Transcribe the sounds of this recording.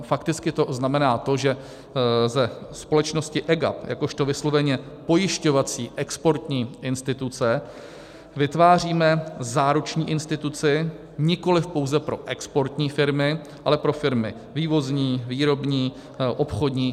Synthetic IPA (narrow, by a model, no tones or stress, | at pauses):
fakt̪ɪt͡skɪt̪o̞znamɛnaːt̪o̞ʒɛ | zɛspo̞lɛt͡ʃno̞scɪʔɛɡa̰pjʔa̰ko̞ʃt̪o̞vɪslo̞vɛɲɛ | po̞jɪʃco̞vat͡siːʔɛkspo̞ɾt̪ɲiːʔɪnst̪ɪt̪ut͡sɛ | vɪt̪vaːr̝iːmɛzaːɾut͡ʃɲiːʔɪnst̪ɪt̪ut͡sɪ | ɲɪko̞lɪfpo̞wzɛpɾo̞̰ʔɛkspo̞ɾt̪ɲiːfɪɾmɪ | ʔalɛpɾo̞fɪɾmɪ | viːvo̞zɲiːviːɾo̞bɲiː | ʔo̞pxo̞d̪ɲiː